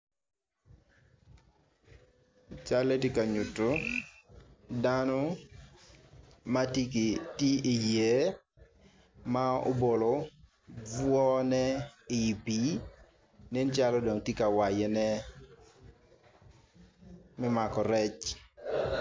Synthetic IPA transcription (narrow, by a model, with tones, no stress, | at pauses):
t͡ʃa˦le˦ti˦ka˨ɲu˨to˦ | da˦nɔ˦ | ma˦ti˦ki˨ti˦i˨je˦ | ma˦o̰˦bo˨lɔ˨ | b͡vwɔ˦nɛ˦ɪ˨pi˨˦ | ne˦nt͡ʃa˦lɔ˦do˨ŋti˦ka˨wa˨je˨nɛ˦ | mɪ˦ma˨kɔ˨ɾɛ˦t͡ʃ